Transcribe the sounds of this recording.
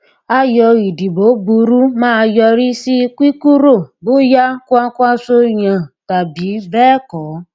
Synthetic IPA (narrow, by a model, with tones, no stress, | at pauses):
a˧jɔ˧i˨di˨bo˨˦bu˧ɾu˦mãː˦˧jɔ˧ɾi˦si˦˧kʷi˦ku˦ɾo˦˨bo˦ja˦ko˦a˧ku˦a˧so˧jã˨ta˨bi˨˦bɛː˦˨kɔ˨˦